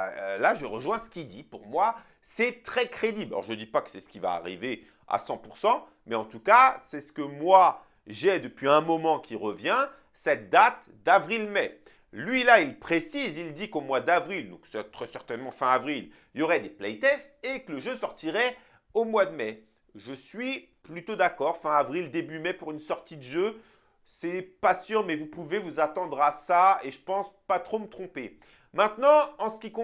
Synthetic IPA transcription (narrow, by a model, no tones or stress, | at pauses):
laʒəʁəʒwɛ̃sə̥kʲid̪ipuʁmwa | sɛt̪χɛkχed̪ibla̰lɔ̰ʁʒəd̪ipakə̥sɛsə̥kʲiva̰ːʁḭve | a̰sɑ̃puʁsɑ̃ | mɛɑ̃t̪ukasɛsə̥kəmwa | ʒɛd̪əpɥiɛ̃mɔmɑ̃kʲiʁəvjɛ̃ | sɛt̪̚d̪at̪ | d̪avʁilmɛ | lɥilailpχesizild̪ikomwad̪avʁild̪ɔ̃ksɛt̪χɛsɛʁt̪ɛnmɑ̃fɛ̃avʁil | iljɔʁɛd̪eplɛjt̪ɛst̪ekələʒøsɔʁt̪iʁɛ | omwad̪əmɛ | ʒəsɥi | plyt̪od̪akɔʁfɛ̃avʁild̪ebymɛpuʁynsɔʁt̪id̪əʒø | sɛpasyʁmɛvupuvevuzat̪ɑ̃d̪ʁasaeʒəpɑ̃spat̪χomət̪χɔ̃pe | mɛ̃t̪nɑ̃ɑ̃sə̥kʲikɔ̃